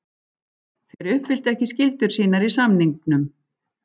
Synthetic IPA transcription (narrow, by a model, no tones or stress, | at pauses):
θejɾʏhpfɪl̥t̪ɛhcɪscɪlt̪ʏɾ̥siːnaɾisamniŋk̚nʏm